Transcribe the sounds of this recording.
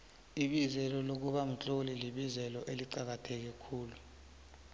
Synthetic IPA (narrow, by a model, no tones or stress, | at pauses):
iɓizɛlɔlok̬uɓam̩t͡ɬʼoliliɓizɛlɔʔeliǀak̬atʰɛk̬ɛkʰuːlu